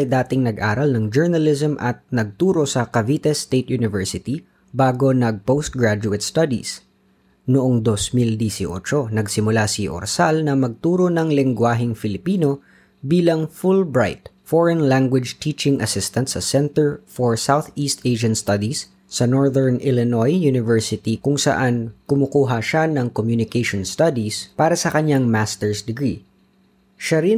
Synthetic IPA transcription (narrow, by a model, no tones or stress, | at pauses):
ɐjd̪aːt̪ɪŋnɐɡʔaːɾɐlnɐŋd͡ʒɛɹnɐlɪsɐmʔɐt̪̚nɐɡ̚t̪uːɾo̞sɐkɐvit̪ɛst̪ejt̪̚junɪvɛɹsɪt̪i | baːɡo̞nɐɡ̚powst̪̚ɡɹad͡ʒʊɛt̪̚st̪ɐd̪ḭs | nʊʔoŋd̪osmɪld̪isɪʔo̰t͡ʃo̞nɐɡsɪmʊlasɪʔo̰ɾsalnɐmɐɡ̚t̪uːɾo̞nɐŋlɪŋɡwaːɦɪŋfɪlɪpiːno̞ | biːlɐŋfulbɹajt̪̚foɹɛnlaŋɡwɪd͡ʒt̪iːt͡ʃɪŋʔɐsɪst̪ɐnt̪sɐsɛnt̪ɛɹfɔɹsawθiːst̪ʔeʃɐnst̪ɐd̪isː | ɐnoɹðɛɹnɪlɛnojunɪvɛɹsɪt̪ikʊŋsɐ̰ʔankʊmʊkuːɦɐʃanɐŋkomjunɪkejʃonst̪ad̪ispaːɾɐsɐkɐɲaŋmast̪ɛɹsd̪ɪɡɹḭ | ʃaɾɪ